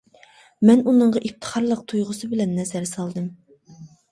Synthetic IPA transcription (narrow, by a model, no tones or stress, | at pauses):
mɛnunɨɴʁɑʔip̚t̪ʰə̥χɑɾlˠəq̚t̪ʰujʁʊsɨbɪlɛnːɛzæɾsɑlˠd̪ɨm